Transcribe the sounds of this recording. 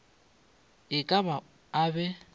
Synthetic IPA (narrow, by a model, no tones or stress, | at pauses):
ɪkʼaba | abɛ